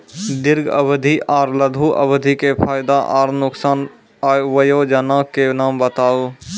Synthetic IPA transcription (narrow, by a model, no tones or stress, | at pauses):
d̪ɪɾɡɐ̰bəd̪ʱiʔaːɾləd̪ʱuʔɐ̰bəd̪ʱikefʰaːjɪd̪aʔa̰ːɾnʊksaːn | aːʋəjoːd͡ʒɐnãːkenaːmbət̪aːoː